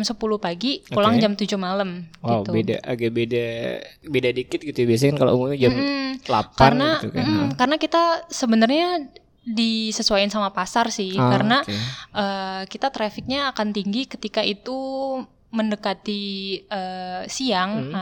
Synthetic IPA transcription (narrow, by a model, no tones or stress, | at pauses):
msəpuluhpaɡikulaŋd͡ʒamt̪ud͡ʒumaləmwaw̪ubeda̰ʔaɡabedabedadikɪt̪̚ɡit̪ubias̬akankalo̰ṵmuŋɲad͡ʒamla̰parənnat̪uk̩kaɾənakit̪asəbənərɲa | disəsuaɪnsamapasarsɪhkaɾənaʔəkit̪at̪ɾafɪk̚ɲaːkant̪iŋɡikət̪ikaʔit̪u | məndəkat̪iəːsiaŋ